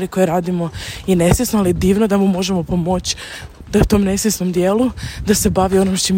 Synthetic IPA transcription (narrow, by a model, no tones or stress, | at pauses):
ɾiko̞jeɾaːd̪imo̞jene̞sʋʲesnoalid̪iːʋnod̪amumo̞ʒemo̞po̞mot͡ɕ | d̪aut̪o̞ːmne̞sʋʲesno̞md̪jeːlud̪ase̞baʋio̞nomʃt͡ʃim